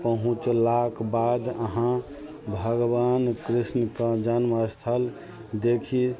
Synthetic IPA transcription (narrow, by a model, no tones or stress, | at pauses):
pəɦũt͡ʃlakbad̪əɦã | bʱəɡbankɾisnəkə̃d͡ʒənməst̪ʰəl | d̪ekʰi